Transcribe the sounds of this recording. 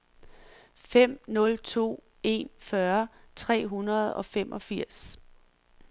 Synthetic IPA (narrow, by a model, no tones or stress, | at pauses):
fem̰nɔ̽lt͡sʰo̝̰ː | e̝̰nfɶɐt͡sʰʁɛ̰ːɦunɐð̞̩ˠɒ̽femʔɒ̽fiɐ̰s